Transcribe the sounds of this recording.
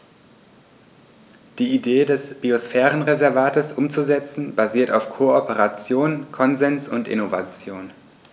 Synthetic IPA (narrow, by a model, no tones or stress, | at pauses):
d̥iːideːdɛsb̥iosfɛːʁənʁezɛɐvaːtəsʔʊmt͡suzɛt͡sn̩baziːɐtaʊfkʰoɔpəʁat͡sjoːnkʰɔnzɛnsʊntɪ̰nova̰t͡sjoːn